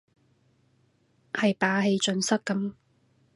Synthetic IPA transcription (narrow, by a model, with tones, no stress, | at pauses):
hɐ˨jpaː˨˥ɦe˧jt͡ʃɵ˧nsɐ˥kkːɐ˨˥m